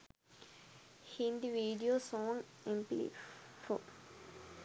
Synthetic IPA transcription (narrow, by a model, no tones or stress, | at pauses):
hĩnd̪iʋiːɖijoːsoːŋ | emplḭfo